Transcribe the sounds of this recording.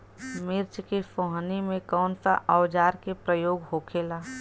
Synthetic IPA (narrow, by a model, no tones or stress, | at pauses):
mɪɾt͡ʃkisoːɦnimẽkɔːnsa̰ʔɔʊd͡ʒaːɾkepɾəjoːɡɦoːkʰeːlaː